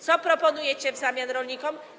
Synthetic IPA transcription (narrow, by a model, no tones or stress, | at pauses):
t͡s̪ɔpɾɔpɔnujɛt͡ɕɛvzamʲjanɾɔlɲikɔm